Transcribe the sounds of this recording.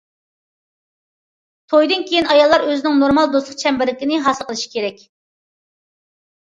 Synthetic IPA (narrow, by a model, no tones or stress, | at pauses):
t̪ʰojd̪ɨnkʲʰejinɑjɑlˠːɑɾøzɪnɪŋnoɾmɑlˠd̪oslˠə̥q̚t͡ʃʰɛmbɪɾlɪkʲinɪɦɑsəqʰəlˠɨʃi̥kʲʰeɾɛkʲ